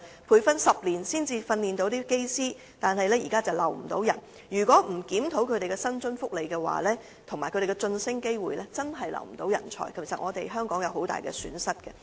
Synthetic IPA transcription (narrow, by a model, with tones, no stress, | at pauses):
pʰuː˧jfɐ˥nsɐ˨p̚liː˨˩nsiː˥nt͡siː˧fɐ˧nliː˨nt̪o˨˧wt̪iː˥ke˥jsiː˥ | t̪aː˨nhɐ˨jlɛː˥jiː˨kaː˥t͡sɐ˨wlɐ̰˨˩wm̩˨˩t̪o˨˧˥wjɐ˨˩n | jyː˨˩kʷwɔː˨˥m̩˨˩kiː˨˥mt̪ʰo˨˥wkʰɵ˨˧ɥɾe˨jkɛ˧sɐ˥nt͡sɵ˥nfʊ˥k̚le˨jkɛː˧wa̰ː˨˦lɛː˥ | t̪ʰʊ˨˩ŋmaː˨˩jkʰɵ˧ɾe˨˩kːɛ˧t͡sɵ˧nsɪ˥ŋke˥jwuː˨jlɛː˥t͡sɐ˥nɦɐ˨jlɐ̰˨˩wm̩˨˩t̪o˨˥wjɐ̰˨˩nt͡ʃʰɔ̰ː˨˩jkʰɐ˨˩jsɐ˨t̚ʔŋɔː˨˧t̪e˨jɦœː˥ŋkɔː˨˥ŋjɐ˨˧wɦo˨˥wt̪a̰ː˨jkɛ̰ː˧sy̰ː˨˥nsɐ˥t̚kɛ˧